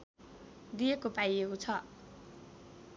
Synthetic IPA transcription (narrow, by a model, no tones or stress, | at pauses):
d̪ijekopajekot͡sʰʌ